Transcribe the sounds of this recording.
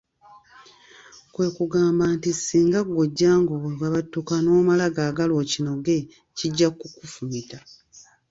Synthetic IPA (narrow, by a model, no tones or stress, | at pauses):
kwe̞ːkuɡaːmbaːntisːiːŋɡaɡoɟːaːŋɡowaβatːukano̞ːmalaɡaːɡalo̞ːcino̞ɡe̞ | ciɟːakːukufumita